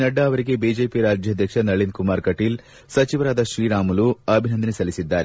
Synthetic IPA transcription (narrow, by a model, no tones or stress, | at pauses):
nɐɖːɐːʋɐɾiɡe̞biːd͡ʒe̞ːpiɾaːd͡ʒʱjɐd̪ʱjɐkʂɐnɐɭinkumaːɾkɐʈiːl | sɐt͡ʃiʋɐɾaːd̪ɐʃɾiːɾaːmuluɐbʱinɐnd̪ɐnisɐlisid̪ːaːɾe